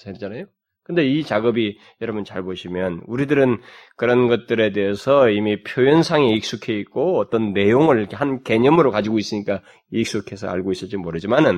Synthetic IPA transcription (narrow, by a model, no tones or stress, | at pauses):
sʰaɾid͡ʑanajo | kɯnde̞it͡ɕaɡʌbi | jʌɾʌbunt͡ɕaɭboɕʰimjʌnuɾidɯɾɯnkɯɾʌnɡʌt̚t͈ɯɾe̞de̞ɦesʰʌimipʰjojʌnsʰaŋeik̚s͈ukʰe̞it̚k͈oʌt͈ʌnːe̞joŋɯɾkʰehanke̞ɲʌmɯɾokad͡ʑiɡois͈ɯɲik͈a | ik̚s͈ukʰe̞sʰʌ̰a̰ɭɡois͈ɯɭt͡ɕ͈imoɾɯd͡ʑimanɯn